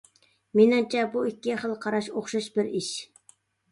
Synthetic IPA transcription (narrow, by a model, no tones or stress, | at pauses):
menɪmt͡ʃʰɛbuikʲːiχəlˠqʰɑɾɑʃoχʃɑʃbɪɾiʃ